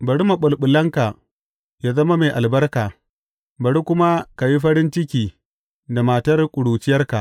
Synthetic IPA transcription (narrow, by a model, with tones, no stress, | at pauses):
bɐ˨ɽu˦ma˨ɓʊ˨lɓʊ˨lɐ˦ŋka˨ | jaː˦zɐ˦ma˦ma˨ʔa˨lbɐ˦rkaː˨ | bɐ˨ɽu˦kʷʊ˦ma˦ka˨ji˦ɸɐ˦ɽɪ˦nt͡ʃɪ˦kʲiː˨ | da˨maː˨tɐ˦rkʷʼʊ˨ɽuː˨t͡ʃɪ˦jɐ˦rka˨ʔ